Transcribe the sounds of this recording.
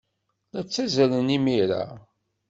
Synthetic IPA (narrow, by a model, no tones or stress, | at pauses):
læt͡sːæzælənimiɾa̰